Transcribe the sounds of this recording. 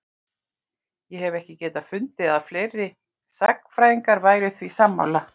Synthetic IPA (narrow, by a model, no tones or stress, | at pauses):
jɛhɛvɛhcɪcɛːt̪afʏnt̪ɪaðflejɾːɪ | sakfɾaːjðiŋkaɾvaːjɾɪθθvisamːa̰wla